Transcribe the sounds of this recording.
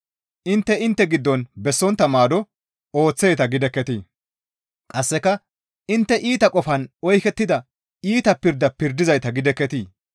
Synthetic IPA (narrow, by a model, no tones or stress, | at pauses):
ʔɪnt̪ːɛɪnt̪ːɛɡɪd̪ːɔnbɛsːɔnt̪ːɐmaːd̪ɔ | o̞ːt͡sːejt̪ɐɡɪd̪ɛkːɛt̪iː | kʼɐsːɛkːɐ | ʔɪnt̪ːɛʔiːt̪ɐkʼɔfɐnɔjkɛt̪ːɪd̪ɐ | iːt̪ɐpɪɾd̪ɐpɪɾd̪ɪzɐjt̪ɐɡɪd̪ɛkːɛt̪iː